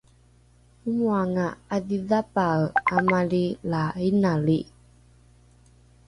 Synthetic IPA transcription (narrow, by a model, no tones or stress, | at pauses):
umuaŋaaðiðapaamalilainali